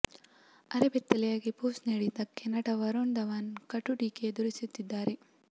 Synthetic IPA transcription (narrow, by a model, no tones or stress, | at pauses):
ɐɾebɛt̪ːɐlɛjaːɡipuːsniːɽid̪ɐkɛnːɐʈɐʋɐɾoɳd̪ɐʋaːnkɐʈːuʈiːked̪uɾisut̪ːid̪ːaːɾe